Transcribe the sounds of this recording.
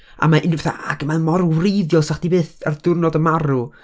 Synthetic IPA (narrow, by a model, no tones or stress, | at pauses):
a̰maʔɪnvɛθa̰a̰ɡəmamɔrwrejðjɔlˠsaχd̥ibeːθa̰rd̥ʊrnɔdəmaɾu